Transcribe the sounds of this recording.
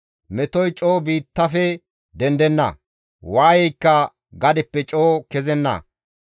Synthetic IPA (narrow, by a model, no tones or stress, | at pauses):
mɛt̪ɔjt͡ʃʼoːbiːt̪ːɐfɛ | d̪ɛnd̪ɛnːɐ̰ | waːjɛjkːɐ | ɡɐd̪ɪpːɛt͡ʃʼoːkɛzɛnːɐ̰